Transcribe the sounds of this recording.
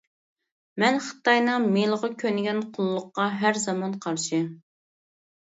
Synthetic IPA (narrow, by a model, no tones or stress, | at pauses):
mɛnχə̥t̪ɑjnɨŋmelˠəʁɑkʲʰønɪɡʲɛnqʰʊlˠːʊqːɑɦæɾzɑmɑnqʰɑɾʃɨɪ